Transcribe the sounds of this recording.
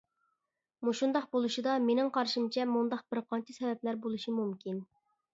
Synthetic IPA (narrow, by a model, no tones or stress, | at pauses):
muʃund̪ɑqbolˠuʃid̪ɑmenɪŋqʰɑɾʃimt͡ʃʰɛmund̪ɑq̚bɪɾqʰɑnt͡ʃʰɛsɛvɛplæɾbolˠuʃimumkʲʰin